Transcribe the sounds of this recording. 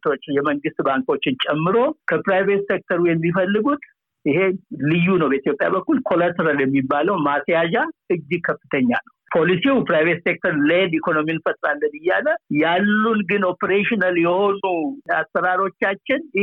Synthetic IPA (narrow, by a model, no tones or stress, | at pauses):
t̪ot͡ʃːjɛməŋɡɨst̪baŋko̞t͡ʃːɪnt͡ʃʼɛmːɨɾo̞kʰəpɾajvet̪sek̚t̪ʰəɾujɛmːifəlːɨɡut̪ | ʔɪhe̞lɨjːunəwbəit̪jo̞pʼja̰bəkːulkʰo̞lat̪ʰəɾaljɛmːibːaləwmasjad͡ʒaʔɨd͡ʒːɨkʰəfːɨt̪ʰəɲːa̰nəwpʰo̞lisiwpɾajvet̪sek̚t̪ʰəɾled̪ikʰo̞no̞miɨnfət̪ʼɾalːənɨjːaləjalːunɡɨno̞peɾeʃinaljɛho̞nuasːəɾaɾo̞t͡ʃːat͡ʃːɪn